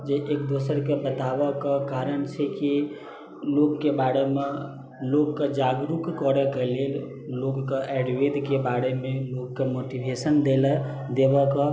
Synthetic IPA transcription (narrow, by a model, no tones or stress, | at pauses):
d͡ʒeʔekd̪osəɾkebət̪abəkekaɾənt͡ʃʰɛki | lokːebaɽeme | lokked͡ʒaɡɾukkɔɾɛkelel | loɡːeʔɛɖʋed̪kebaɽemelokkːemoʈibʱesənd̪elɛ | d̪ebəkɔ